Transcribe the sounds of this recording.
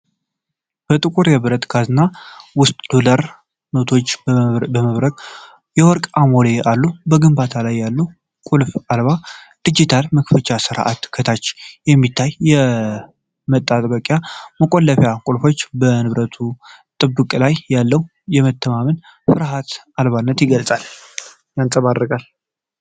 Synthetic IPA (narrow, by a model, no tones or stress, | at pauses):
b̥ət̪ʼɨkʼuɾjɛβɾət̪ɡazɨnːawʊst̪ʼd̪olaɾ | not̪ʰo̞t͡ʃːbəməβɾəkʼ | jɛwɔɾkʼamoleʔalːubəɡɨmbat̪ʰalajːalːu | kʼulfalβa | d̪̥ɨd͡ʒit̪ʰalməkfət͡ʃʼasɨɾʔa̰t̪kʰət̪ʰat͡ʃːjɛmːit̪ʰːajːɛ | mət̪ʼːat̪ʼbəkʼjaməkʼolːəfjakʼulfo̞t͡ʃːbənɨβɾət̪ʰut̪ʼɨbːɨkʼlajːalːəw | jɛmət̪ʰːəmamɨn | fɨɾɦat̪ | alβanːət̪jɪɡəlsʼal | jansʼəβarːɨkʼal